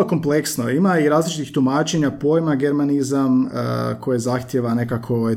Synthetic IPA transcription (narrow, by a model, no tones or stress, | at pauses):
oko̞mple̞ksnoimaiɾaːzlit͡ʃit̪ixt̪umaːt͡ʃe̞ɲapo̞jmaɡe̞ɾmanizam̰kʰo̞jezaxt̪jeʋane̞kakʰo